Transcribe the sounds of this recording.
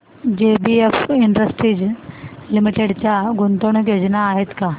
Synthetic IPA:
d͡ʑebiefiɳɖɾəsʈɾiːd͡ʑlimiʈeɽt͡ɕjaɡunt̪oɳked͡ʑnaːɦet̪ka

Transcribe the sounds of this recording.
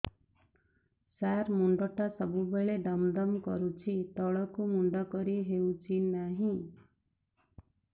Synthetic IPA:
saɾmuɳɖɔʈasɔbubeɭeɖɔmd̪ɔmkɔ̰ɾut͡ʃʰit̪ɔɭɔkumuɳɖɔkɔɾiɦewt͡ʃʰinaɦĩ

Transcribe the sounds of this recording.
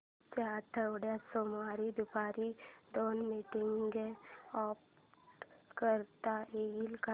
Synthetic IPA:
t͡ʃaːɾt̪ʰəoɽjasoːmaːɾid̪ʊpaːɾid̪oːnmiːʈɪŋɡɛɔːp | kəɾt̪aeːilka

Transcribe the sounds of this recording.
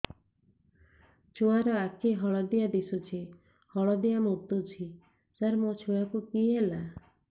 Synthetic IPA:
t͡ʃʰoaɾɔakʰeɦɔɭɔd̪ijad̪isut͡ʃʰi | hɔɭɔd̪ijamot̪ːut͡ʃʰi | saɾmot͡ʃʰuakukiɦela

